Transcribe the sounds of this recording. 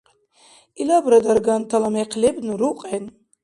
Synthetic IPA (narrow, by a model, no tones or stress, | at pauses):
ilabɾad̪aɾɡant̪ʰalameqʰlɛbnuɾuqʼɛn